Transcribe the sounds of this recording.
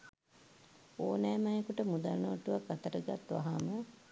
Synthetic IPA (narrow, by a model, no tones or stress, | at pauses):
oːnɛːmajekuʈəmud̪alnoʈuʋakːat̪əɾəɡat̪ʋa̰ɦamə